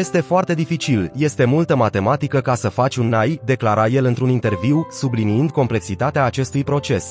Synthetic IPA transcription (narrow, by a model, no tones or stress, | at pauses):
jest̪e̞foart̪e̞d̪ifit͡ʃilje̞st̪e̞mult̪əmat̪e̞mat̪ikəkasəfat͡ʃʲunajd̪e̞klaɾaje̞lɨnt̪ɾunint̪e̞rviwsubliniɨnd̪̚ko̞mple̞ksit̪at̪eaːt͡ʃe̞st̪ujpɾo̞t͡ʃe̞s